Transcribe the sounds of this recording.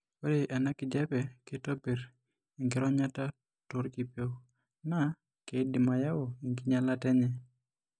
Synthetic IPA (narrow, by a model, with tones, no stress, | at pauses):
o˦ɾɪ˨ʔɛ˨na˦kɪ˨d͡ʒɛ˦pɛ˨kɪ˦to˦be˨ɾ | i˨ŋɡɪ˦ɾɔ˦ɲa˦ta˦ | tʊ˦ɾki˨pe˦ | na˦ | ke˨˦di˨ma˨ja˦o˨i˨ŋɡi˦ɲa˦la˦tɛ˦ɲɛ˦